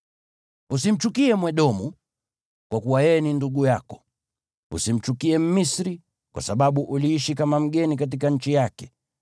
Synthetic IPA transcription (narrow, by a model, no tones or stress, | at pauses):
usim̩t͡ʃukiɛmwɛɗɔmu | kwakuwajɛɛninduɡujakɔ̥ | ṵsim̩t͡ʃukiɛm̩misɾi | kwa̰saɓaɓuʔuliiʃikamam̩ɠɛnikat̬ikaɲ̩t͡ʃijakɛ̥